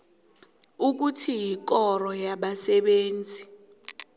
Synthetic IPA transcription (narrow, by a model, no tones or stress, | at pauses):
uk̬utʰijik̬ɔrɔjaɓasɛɓeːnd͡zʱi